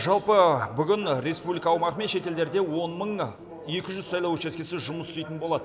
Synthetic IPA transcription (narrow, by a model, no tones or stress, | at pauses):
ʒɑlˠpəbʏɡʲɪnɾe̞spublijkɑːwmɑʁəme̞nʃe̞t̪e̞ld̪e̞ɾd̪e̞wo̞nməɴ | jekʲɪʒʏzsɑjlˠɑwt͡ʃeskʲesɪʒʊməsʏ̥st̪ejt̪ɪnbo̞lˠɑd̪ə